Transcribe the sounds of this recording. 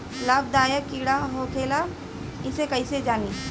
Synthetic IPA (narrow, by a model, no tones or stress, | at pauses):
laːb̚d̪aːjəkiːɽaɦokʰeːla | ɪsekəised͡ʒaːniː